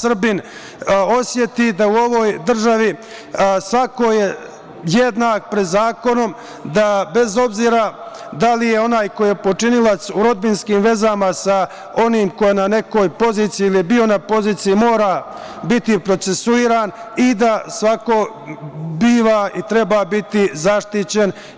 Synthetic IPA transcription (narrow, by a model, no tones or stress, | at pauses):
sr̩bin | o̞sje̞t̪id̪auo̞ʋoːjd̪r̩ʒaʋi | sʋako̞je̞ | jed̪naːkpɾed̪zaːko̞no̞m | d̪abe̞zo̞bziːɾa | d̪alijeo̞naːjko̞jjepo̞t͡ʂinilat̪suɾo̞d̪binskiːmʋe̞zamasa | o̞niːmko̞jenane̞ko̞ːjpo̞ziːt̪sijiːlijebio̞napo̞ziːt̪sijimo̞ːɾa | bit̪ipɾo̞t̪se̞suiːɾaːnid̪asʋakoː | biːʋaːit̪ɾe̞baːbit̪izaʃt̪it͡ɕe̞n